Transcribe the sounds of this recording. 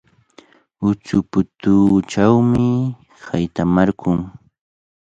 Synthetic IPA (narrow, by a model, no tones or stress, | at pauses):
ʊt͡sʊpʊt̪ʊːt͡ʃawmɪ | hajt̪amaɾkʊŋ